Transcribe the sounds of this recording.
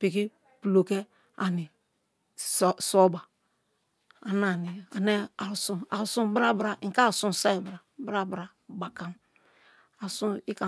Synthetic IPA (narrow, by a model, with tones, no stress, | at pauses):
pi˨ki˦ | pu˨lo˨ke˦ | a˨ni˨ | so˦ba˨ | a˨na˨ni˨a˨ne˦a˨ɾu˨su˦a̰˨ɾsu˦bɾa˦bɾa˨ĩ˨ka˦˨sũ˦˨sa˦i˨bɾa˨bɾa˦bɾa˨ | ba˨ka˦m | a˨su˦i˦ka˨